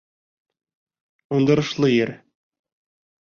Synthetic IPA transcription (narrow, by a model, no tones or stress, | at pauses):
und̪ɤ̆ɾɤ̆ʃlˠɤjɘɾ